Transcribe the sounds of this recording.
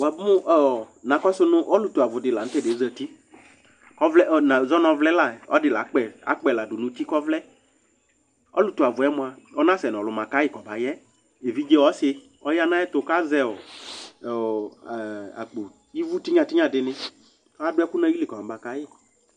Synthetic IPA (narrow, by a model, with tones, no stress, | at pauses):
wa˨bʊ˦mʊ˦ʔɔ˨nã˨kɔ˦sʊ˦nʊ̃˦ʔɔ˦lʊ˨tu˨a˨vʊ˨dɪ˨la˨n̩˦tɛ˦de˨˦zɛ˧˨ti˦ | kɔ˦vlɛ˦˨na˨zɔ˦nɔ̃˧vlɛ˦la˨ɔ̰˦dɪ˨la˨˦k͡pɛ˨a̰˨˦k͡pɛ˨la˨dʊ˨nʊ̃˦ti˦kɔ˦vlɛ˦ | ɔ̰˦lʊ˨tu˨a˨vʊ˨ɛ˦mʊ̃˨a˨ | ɔ˦nã˦sɛ˨nɔ̃˨lʊ˨mã˨ka˦jɪ˦˨kɔ˨ba˨jɛ˦ | e˨vi˦d͡ʒe˦wɔ˦sɪ˧ | ɔ˦ja˦nã˦jɛ˦t̪ʊ˨˧ka˦zɛ˦ɔ˨ | a̰˨k͡po˨ | i˦vu˦ti˦ɲã˨tɪ˦ɲã˨dɪ˨nɪ˧ | a˨dʊ˦ɛ˦kʊ˦nã˦i˦lɪ˨kɔ˨ã˨ba˨ka˨˦jɪ˦˨